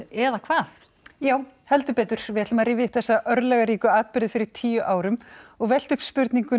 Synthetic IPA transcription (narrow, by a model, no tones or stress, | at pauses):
ɛðakʰvaːθ | jaːwhɛlt̪ʏɾpɛːt̪ʏɾ̥vɪðɛt̪lʏmaɾriːvɪɪhp̪θɛsːaʔœɾðlɛɣaɾiːkʏaːt̪̚pɪɾðɪfɪɾɪɾ̥t̪ʰiːjʏʔaːwɾʏmɔɣvɛl̥t̪ʏhpspʏɾt̪niŋkʏ